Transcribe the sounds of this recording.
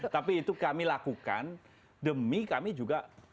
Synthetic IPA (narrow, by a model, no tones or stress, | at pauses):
t̪apiːt̪ukamilakuka̰n | dəmikamid͡ʒuɡaʔ